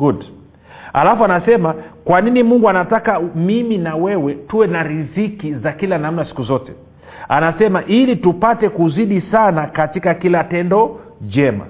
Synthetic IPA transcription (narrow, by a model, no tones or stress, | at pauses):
ɡud | a̰lafuanasɛmakwaninimuŋɡuanatakamiminawɛwɛtuwɛnaɾizikizakilanam̩nasi̥kuzɔtɛ | a̰nasɛmaʔilitupatɛkuziɗisanakatikakilatɛndɔ | d͡ʒɛma̰